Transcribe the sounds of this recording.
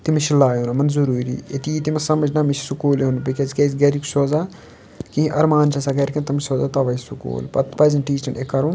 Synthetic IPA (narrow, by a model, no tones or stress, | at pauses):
t̪imiʃilaːjunɐmɐnzuɾuːɾḭːet̪iːt̪imɐsɐmɐd͡ʒnɐmiʃʰi̥sukuːleunupikʲezikʲezɡɐɾiku̥soːzaː | kĩɦĩʔɐɾmaːnt͡ʃʰɐsaɡɐɾʲkɐnt̪ɐmsoːzat̪ɐʋɐjsukṵːlpɐ̰t̪pɐzɐnʈiːt͡ʃɐnekːɐɾun